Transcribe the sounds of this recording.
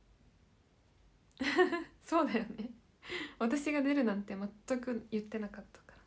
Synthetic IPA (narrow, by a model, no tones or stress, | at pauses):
so̞ːd̪ajo̞ne | βat̪̬aɕiɡad̪e̞ɾɯ̟nãnt̪e̞mat̪ːakɯ̟jɯ̟t̪ːe̞nakat̪ːḁkḁɾḁ